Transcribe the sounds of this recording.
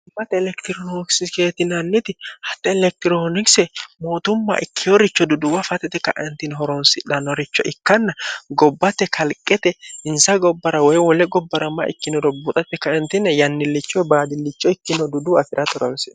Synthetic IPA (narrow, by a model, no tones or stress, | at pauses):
ʊbɐt̪ɛːlɛkt̪ɪɾɔnoksɪke̞ːt̪ɪnɐnːɪt̪ɪhɐt̪ːɛɛlɛk̚t̪ɪɾonɪksɛmo̞ːt̪ʊmːa̰ʔɪkʰːɪjɔɾɪt͡ʃːɔd̪ʊd̪ʊwɐfɐt̪ɛt̪ɛkɐ̰ʔɛnt̪ɪnɦɔɾɔnsɪᶑɐnɔɾɪt͡ʃːɔʔɪkːɐnːɐɡɔbːɐt̪ːɛkʰɐlkʼːɛt̪ɛɪnsɐɡɔbːɐɾɐwɔjwɔlɛɡɔbːɐɾɐmːɐ̰ʔɪ̰kːɪnɔd̪ɔbʊt̪ʼɐpːɛkɐʔɛnt̪ɪnːɛjɐnːɪlːɪt͡ʃːɔjbaːd̪ɪlːɪt͡ʃːɔɪkːɪnɔd̪ʊd̪uɐfɪɾɐt̪ɔɾɐlsɛ̰